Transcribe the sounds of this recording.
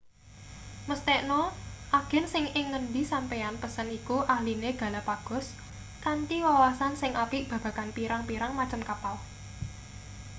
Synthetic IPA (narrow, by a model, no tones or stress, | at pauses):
məst̪ɛʔnɔʔaɡ̥ɛ̤nsɪŋɪŋːənd̪isampejanpəsənikuʔahlineɡ̥a̤lapaɡ̥ʊ̤s | kant͡ʃiwawasansɪŋʔapiʔb̥ä̤b̥ä̤kanpiɾaŋpiɾaŋmat͡ʃəmkapal